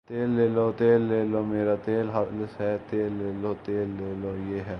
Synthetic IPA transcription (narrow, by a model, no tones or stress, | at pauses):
t̪eːlːeːlot̪eːlːeːloːmeːɾaːt̪eːlɦaləsɦɛːt̪eːlːeːloːt̪eːlːeːlojeːɦɛː